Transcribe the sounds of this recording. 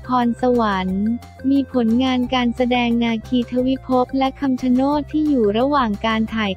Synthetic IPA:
pʰɔː˧nsa˧wa˩˦n | miː˧pʰo˩˦nŋaː˧nkaː˧nsa˧dɛː˧ŋnaː˧kʰiː˧t̪ʰa˧˥wi˦˥pʰo˦˥p̚lɛ˦˥kʰa˧mt͡ɕʰa˧noː˥˩t̪ʰːiː˥˩juː˨˩ɾa˧waː˨˩ŋkaː˧nt̪ʰaː˨˩j

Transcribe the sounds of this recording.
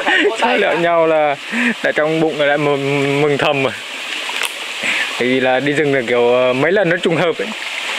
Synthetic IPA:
t͡ɕɔ˧˦lḭ˧˨wɲa˧wlaː˨˩ | t̪a̰ː˧˨jt͡ɕɔ˧wŋ͡mɓʊ̰˧˨ŋ͡məː˨˩la̰ː˧˨m˨˩mɨ˨˩ŋt̪ʰə˨˩mə˨˩j | tt̪ʰaː˧˨jvi˨˩laː˨˩ɗi˧zɨ˨˩ŋzɨ˨˩ki˨˧˩əwəː˨˩mə˨˦jlə˨˩nːɨ˦˥k̚t͡ɕʊ˧ŋ͡mɦəː˨˩p̚ʔə˧˦ɲ

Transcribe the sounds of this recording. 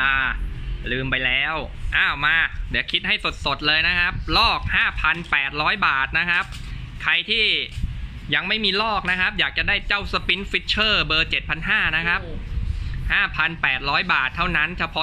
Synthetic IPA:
ʔaː˧˩lɯː˧mpa˧jlɛː˦˥wʔaː˧˥˩wmaː˧˩dɛ˨˦˩kʰi˦˥t̪̚ha˥˩jso˨˩t̪̚so˨˩t̪̚lɤː˧jna˦˥kʰa˦˥p̚lɔː˥˩k̚haː˥˩pʰa˧npɛː˨˩t̪̚ɾɔː˦˥jbaː˨˩t̪̚na˦˥kʰa˦˥p̚ | kʰa˧jt̪ʰiː˥˩ | ja˧ŋma˥˩jmiː˧lɔː˥˩k̚na˦˥kʰa˦˥p̚jaː˨˩k̚t͡ɕa˨˩daː˥˩jt͡ɕa˥˩wsə˧pi˦˥nfi˦˥t̪̚t͡ɕʰɤː˥˩bɤː˧t͡ɕe˨˩t̪̚pʰa˧nɦaː˥˩na˦˥kʰa˦˥p | haː˥˩pʰa˧npɛː˨˩t̪̚ɾɔː˦˥jbaː˨˩t̪ʰːa˥˩wna˦˥nt͡ɕʰa˧˥pʰɔ˦˥

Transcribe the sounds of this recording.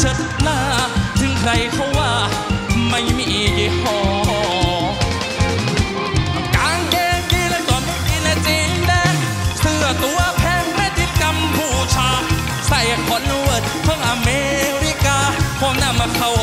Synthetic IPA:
t͡ɕʰə˧˩t̚naː˧˩t̪ʰɯ˧˦ŋkʰɾa˧jkʰɔ˧˩waː˧˩ | ma˧˩jmiː˧˩pi˧˩kʰɔː˧˩ | kaː˨˧˦ŋkɛː˧ŋt̪i˧˥˩na˧˩t̪ɔː˨˩nma˧˥˩t̪i˧˩na˧t͡ɕiː˧˦ndɛː˧˩ | sɯ˧˩ɐt̪u˧˨ɐpʰɛː˧˥ŋmɛː˧˥t̪i˧t̪̚ka˧mbuː˧˩t͡ɕʰaː˧˥ | sa˨˩ja˧kʰɔ˧˥n˧wə˨˩t̪̚pʰɔ˧˥˩ŋʔa˧meː˧ɾi˧˦kaː˧pʰɔ˧˦ŋna˧˩˨ma˧kʰa˧˩w

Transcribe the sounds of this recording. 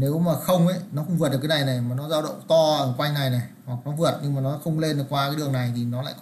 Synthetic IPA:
ne˨˦wmaː˨˩xə˧wŋ͡mʔə˨˦nɔ˨˦xʊ˧ŋ͡mvɨ˨˩t̚ɗkːaː˨˦na˨˩jna˨˩jmaː˨˩nɔ˨˦zaː˧wɗə̰˧˨wŋ͡mt̪ɔ˧əː˨˧˩kwa˧jŋ̟na˨˩jna˨˩jhwa˨˩k̚nɔ˨˦vɨ˨˩ət̚ɲɨ˧ŋmaː˨˩nɔ˨˦xə˧wŋ͡mle˧n˨˩kwaː˧kaː˨˦jɗɨ˨˩əŋna˨˩jt̪ʰi˨˩nɔ˨˦la̰ː˧˨jk

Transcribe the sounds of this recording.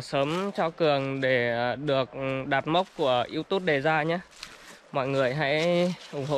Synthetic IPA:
səː˨˦mt͡ɕɔ˧kɨ˨˩əŋɗe˧˩ɗɨ˨˩ək̚ɗaː˨˩p̚mə˦˥wk͡p̚kːu˧˩əʔi˧əwt̪u˦˥t̚ɗe˨˩zaː˧ɲaː˧˥ | mɔ̰˧˨jŋɨ˨˩əjɦa̰˧˥jʔʊ˧˩ŋ͡mɦo̰˧˨

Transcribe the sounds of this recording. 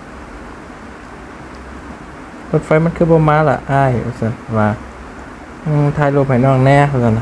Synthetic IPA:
so˧˩t̪̚fa˧˥jma˧˥˨nkʰɯː˧˩bɔː˧maː˧˥la̰˨˧˨ʔaː˧˩jʔɯ̰ː˧˩˨sa˧˩n˨waː˧ | ʔːt̪ʰaː˧˩jloː˧˩p̚ha˨˩jnɔː˧˩ŋnɛː˧˨˧sa˧n˧˨

